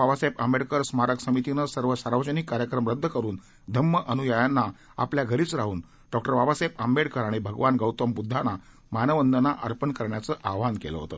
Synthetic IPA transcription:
aʋasepəmbeɽkəɾsmaɾəksəmit̪inəsəɾʋəsaɾʋəd͡ʑənikːaɾjəkɾəmɾəd̪ʱːəkəɾuːn | d̪ʱəmːəʔənujajanːa | a̰pljaɡʱəɾiːt͡sɾaɦuːn | ɖɔk̚ʈəɾʋaʋasep̚əmbeɽkəɾaɽ̃ibʱəɡʋanɡəwt̪əmbud̪ʱːana | manəʋənd̪ənaʔəɾpənkəɾɳjat͡səʔaʋankḛlə̰ɦo̰t̪ə

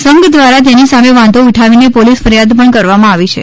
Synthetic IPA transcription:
səŋɡd̪ʋaɾat̪enisameʋãnd̪oiʈʰaʋinepolisfəɾjad̪pəɳkəɾʋamãaʋit͡ʃʰḛ

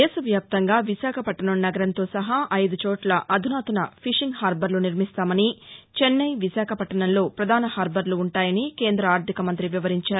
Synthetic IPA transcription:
d̪ɛːsɐʋjaːp̚t̪ɐŋɡaːʋisaːkʰɐpɐʈːɐɳɐmnɐɡɐɾɐnt̪o̞ːsɐɦɐʔɐjd̪ut͡ʃoːʈlɐʔɐd̪ʱunaːt̪ɐnɐpʰiʂiŋɡhaːɾbɐɾluniɾmist̪aːmɐnit͡ʃenːɐjʋisaːkʰɐpɐʈːɐɳɐnlo̞ːpɾɐd̪ʱaːnɐhaːɾbɐɾluːɳʈaːjɐnike̞ːnd̪ɾɐaːɾt̪ʰikɐmɐnt̪ɾiʋiʋɐɾiɲt͡ʃaːɾu

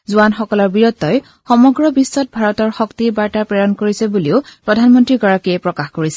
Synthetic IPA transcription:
zuanxɔkɔlɔɹbiɹɔtːɔj | xɔmɔɡɹɔbisːɔt̚bʱaɹɔtɔɹxɔktibaɹtapɹɛjɔnkoɹisɛbuliʊpɹɔdʱanmɔntɹiɡɔɹakiɛpɹɔkaxkoɹisɛ

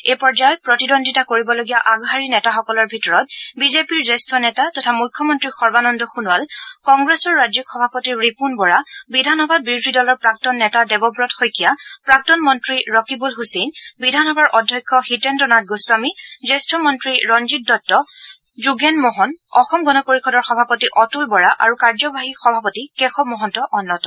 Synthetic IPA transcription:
epɔɹd͡ʒajɔt̚pɹɔtidɔndʱitakoɹibɔloɡijaʔaɡɦaɹinɛtaxɔkɔlɔɹbʱitɔɹɔt̚bizepiɹzestʰɔnɛtatɔtʰamujkʰːɔmɔntɹixɔɹbanɔndɔxunwalkɔŋɡɹesɔɹːad͡ʒikxɔbʱapɔtiɹɹipunbɔɹabidʱanɔbʱad̚bɹiɹʊdʱidɔlɔɹpɹak̚tɔnːɛtadɛbɔbɹɔtxojkijapɹak̚tɔnmɔntɹiɹɔkibulɦusinbidʱanɔbʱaɹʔɔdʱjɔjkʰːɔxitɛntɔnat̚ɡojsuamizestɹɔmɔntɹiɹɔnzit̚dɔtːɔ | zuɡɛnmɔɦɔnɔxɔmɡɔnɔpoɹixɔdɔɹxɔbʱapɔtiʔɔtulbɔɹaʔaɹukaɹzɔbʱaɦixɔbʱapɔtikɛxɔmɔɦɔntɔʔɔnːɔtɔ

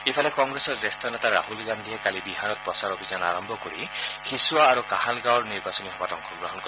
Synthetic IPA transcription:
ipʰalekɔŋɡɾesɔzest̪ʰɔnet̪aɾa̰hulɡand̪ʱiekalibiɦanɔt̪̚pɔsaɾɔbʱizana̰ɾɔmbʱɔkɔɾḭxisuaːɾukahalɡawɾniɾbasɔniɦɔbat̪ɔŋkʰɔɡɾɔɦɔnkɔ

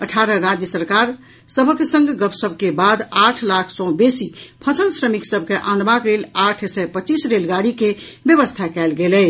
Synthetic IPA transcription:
əʈʰaɾəɾad͡ʒjəsəɾkaɾ | səbʱəkesə̃ŋɡɡəpʰsəbʱkebad̪aʈʰlakʰsɔ̃besipʰəsəlsɾəmiksəbʱkeʔanbaklelaʈʰsɛpət͡ʃisɾelɡaɽikebjəβəst̪ʰakɛlɡelɛ

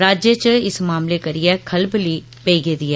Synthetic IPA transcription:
ɾaːd͡ʒjət͡ʃɪsmaːmlekəɾɪjɛːkʰəlbliː | peiɡeːd̪iɛː

